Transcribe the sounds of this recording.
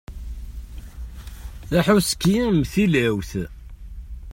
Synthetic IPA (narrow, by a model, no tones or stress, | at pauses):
θæħuskimθilæwθ